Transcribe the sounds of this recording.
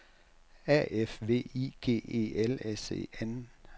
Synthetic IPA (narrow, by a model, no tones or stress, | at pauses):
æ̰ʔefʋe̝̰ːiɡ̥e̝̰ːe̝̰ːelesḛːen